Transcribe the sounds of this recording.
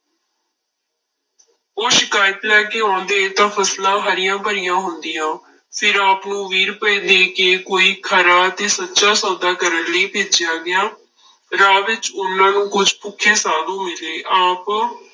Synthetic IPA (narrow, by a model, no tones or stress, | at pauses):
oːʃɪkaːjət̪lɛːkeːãːnd̪eːt̪ãːpʰəslãːɦəɾɪjãːpəɾɪjãːɦʊnd̪ijãː | fʰɪɾaːpnũːʋiːɾpəĩːd̪eːkeːkoːiːkʰəɾaːt̪eːsətːʃaːsɔːd̪aːkəɾənləiːpeːt͡ʃɪjaːɡɪjaː | ɾaːʋɪt͡ʃʊnːãːnũːkʊd͡ʒʱpʊkʰːeːsaːlũːmɪleːʔaːp